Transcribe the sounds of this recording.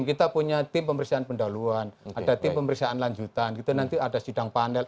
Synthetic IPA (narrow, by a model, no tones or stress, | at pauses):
mkit̪apuɲat̪ɪmpəməɾiksaanpəndaluanadat̪ɪmpəməɾiksaʔanlaɲd͡ʒut̪anɡit̪unant̪iadasidaŋpanɛl